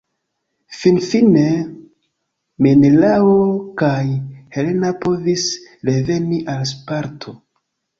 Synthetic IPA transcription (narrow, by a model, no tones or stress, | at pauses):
finfine̞ | menelaokajhe̞le̞napo̞visɾe̞ve̞niʔalspaɾtʰo